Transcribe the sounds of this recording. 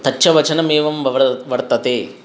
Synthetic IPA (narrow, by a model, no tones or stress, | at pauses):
t̪ɐːʃɐʋɐt͡ʃɐnɐmeːʋɐmɐʋɐɾt̪ɐt̪eː